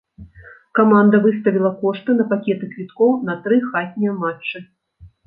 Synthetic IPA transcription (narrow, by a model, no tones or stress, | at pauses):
kamand̪ɐvɨst̪ɐvʲilˠɐkɔʂt̪ɨnɐpakʲɛt̪ɨkvʲit̪kɔwnɐt̪ɾɨxat̪ʲnʲɛjɛmat͡ʂːɨ